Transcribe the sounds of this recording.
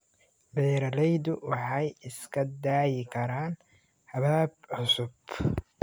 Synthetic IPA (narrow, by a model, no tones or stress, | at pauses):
bɛjɾɐlɛjd̪ʊwɑħɑjɪskʰɐd̪aːjɪkʰɐɾaːn | hɐβaːb̚ʕʊsʊb